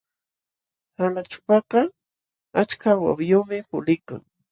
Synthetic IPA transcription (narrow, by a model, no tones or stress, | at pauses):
halat͡ʃʊ̥pɑqɑ | at͡ʃkawa̰wjomɪpʊ̰lɪka̰ŋ